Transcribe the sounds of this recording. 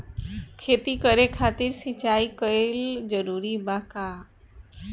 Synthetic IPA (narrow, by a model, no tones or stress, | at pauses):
kʰet̪ikəɾekʰat̪iɾsit͡ʃaikəeld͡ʒəɾuɾibaka